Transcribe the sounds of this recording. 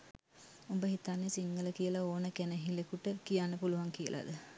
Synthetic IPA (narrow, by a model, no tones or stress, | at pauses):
umbəɦit̪anːesiŋɡələkijəlaoːnəkænəɦilekuʈəkijanːəpuluʋaŋkijə̰lʔa̰d̪ə